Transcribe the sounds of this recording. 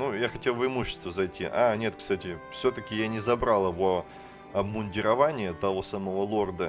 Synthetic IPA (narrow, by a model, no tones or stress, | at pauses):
nujaxɐtʲe̞lˠvɪmuɕːɪ̥st̪vəzɐjtʲːḭʔa̰nʲe̞t̪kst̪atʲɪfsʲot̪əkʲɪjanʲɪzɐbɾalˠəvo | ɐbmʊnʲdʲɪɾɐvanʲɪjət̪ɐvo̞saməvolˠo̞rd̪ə